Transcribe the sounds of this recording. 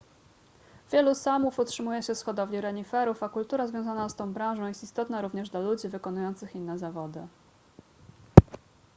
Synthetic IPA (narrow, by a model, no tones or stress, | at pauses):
vʲjɛlusamufutʂɘmujɛɕɛfsxɔd̪ɔvʲlʲiɾɛɲifɛɾufakult̪uɾazvʲjɔ̃w̃zanast̪ɔ̃w̃bɾãw̃ʐɔ̃w̃jɛst̪ist̪ɔt̪naɾuvɲɛʐd̪lalud͡ʑivɘkɔnujɔnt̪sɘxinːɛzavɔd̪ɘ